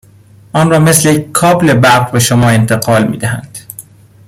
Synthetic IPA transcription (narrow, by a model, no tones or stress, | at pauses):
ʔɒːnrɒːme̞slejekkʰːɒːble̞bæɾʁbeʃomɒːe̞nt̪ʰe̞ɣɒːlmḭːd̪æhæ̰nd̪̥